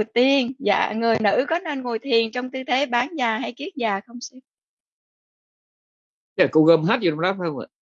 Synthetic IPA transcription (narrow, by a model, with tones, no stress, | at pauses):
t̪i˧ənza̰ː˧˨ŋɨ˨˩əjnɨ̰˧˥kɔ˨˦ne˧nŋo˨˩jt̪ʰi˨˩ənt͡ɕɔ˧wŋ͡mt̪ɨ˧t̪ʰe˨˦ɓaː˨˦nzaː˨˩ɦa˧jki˦˥ət̚zaː˨˩xə˧wŋ͡msɛ˧˦˥ | jaː˨˩ku˧ɣəː˧˩mɦaː˦˥t̚zi˨˩˧ŋ͡mlaː˦˥p̚wə̰˧˨j